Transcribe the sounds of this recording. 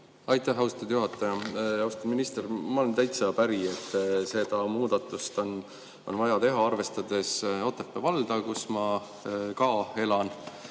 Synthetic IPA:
ɑjt̪ːˑæɦːɑwst̪ɑt̪ud̪̥juɦɑt̪ːˑɑjɑɑwst̪ud̪minist̪ermɑolent̪æjt̪sɑpæɾiet̪ˑːse̞d̪̥ɑmuːd̪̥ɑt̪ːˑust̪on | onvɑjɑt̪e̞ɦɑɑrve̞st̪ɑd̪̥e̞so̞t̪ːepːˑevɑld̪̥ɑkusmɑ | kɑːe̞lɑn

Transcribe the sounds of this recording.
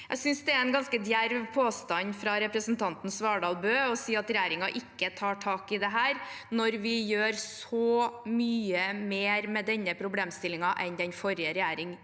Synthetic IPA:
jæ̰ɪsʏnsd̪ɛæɛnɡɑnskəd̪jæɾʋpʰoːst̪ɑnfɾɑɾɛpɾəsənt̪ʰɑnt̪n̩sʋɑːɖɑːlbøːɔsiːɑt̪ɾɛjæːɾɪŋɑʔɪkːət̪ʰɑːʈʰɑːkɪd̪ɛɦæːɾ | nɔɾʋɪjøːɾsɔmyːəmeːɾmɛd̪ɛnːəpʰɾʊbleːmst̪ɪlɪŋɑʔɛnd̪ɛnfɔɾɪəɾɛjæːɾɪŋ

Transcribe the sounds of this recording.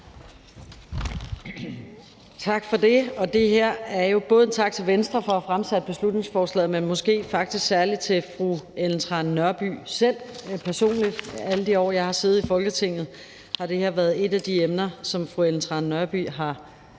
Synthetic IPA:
t͡sʰɑ̈ɡ̥fɒ̽d̥e̝ɒ̽d̥e̝ɦeɐ̰æɐjo̝b̥ɔ̽ːð̞ˠt͡sʰɑ̈ɡ̥̚t͡sʰe̝ʋensd̥ʁɐfɒ̽æfʁamsæd̥̚b̥e̝slud̥ne̝ŋsfɒːslɛ̰ːð̩ˠmenmɔ̽sɡ̥e̝̰ːfɑ̈ɡ̥̚d̥isɡ̥sæɐli̥t͡sʰe̝fʁuelnt͡sʰʁɑ̈nːɶɐb̥y̰ːsel̰pʰæɐso̝̰ːnlid̥æləd̥iɒ̰ːjɑ̈ɪhɑ̈se̝ːð̞̩ˠifɒ̽lɡ̥ət͡sʰe̝ŋ̰ð̞̩ˠ | hɑ̈d̥e̝heɐ̰ʋæɐð̩ˠe̝d̥æd̥iemnɐsɒ̽mfʁuelnt͡sʰʁɑ̈nːɶɐb̥y̰ɦɑ̈

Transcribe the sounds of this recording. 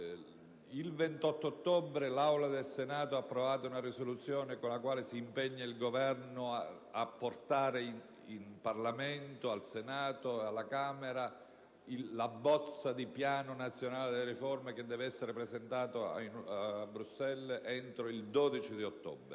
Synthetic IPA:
ilvent̪ɔt̪ːoot̪ːɔbɾelawlad̪elsenaːt̪oapːɾovaːt̪ounarisolut̪sːjoːnekonlakwaːlesiːmpɛɲːailɡovɛrno | apːort̪aːɾe | inparlament̪oalsenaːt̪oalːakameɾa | iːabːɔt̪sːad̪ipjaːnonat̪sːjonaːled̪elːeriformek̟ed̪ːɛːveɛsːeɾepɾezent̪aːt̪oa̰abːɾusːɛlɛnt̪ɾoild̪oːd̪it͡ʃid̪iot̪ːɔ̰bɾe

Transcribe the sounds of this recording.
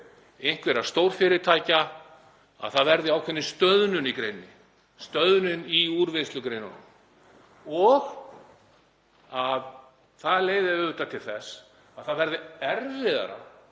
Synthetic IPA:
ejŋ̥kvɛɾast̪owɾ̥fɪɾɪɾt̪ʰaːjca | a̰ðθaðvɛɾðɪawkʰvɛnːɪst̪œðnʏnikɾejnːɪ | st̪œðnʏniuɾvɪst̪lʏkɾejna̰nm | ɔɣ | að | θaðleːjðɪʏːʏt̪at̪ʰɪlθɛs | aðθaðvɛɾðɪɛɾvɪða̰ɾa̰

